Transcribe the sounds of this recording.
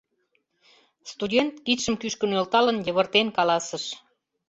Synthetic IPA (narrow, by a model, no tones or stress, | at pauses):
st̪udʲent̪kit̪ʃəmkyʃkə̆nølt̪ɑlənjəβə̆rt̪enkɑlɑsə̆ʃ